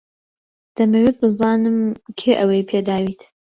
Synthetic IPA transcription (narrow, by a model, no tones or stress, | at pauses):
d̪̥ɐmɐwet̪̚bɨzaːnɨmkʰeːʔɐwejpʰed̪aːwiːt̪